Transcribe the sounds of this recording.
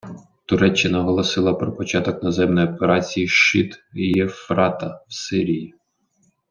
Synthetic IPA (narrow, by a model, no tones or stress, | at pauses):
t̪ʊɾɛt͡ʃːɪnɐɦɔlˠɔsɪlˠɐpɾɔpɔt͡ʃɑt̪ɔknɔzɛmnɔjɔpeɾɑt͡sʲijiʃɪt̪ijɛfɾɑt̪ɐwsɪɾʲiji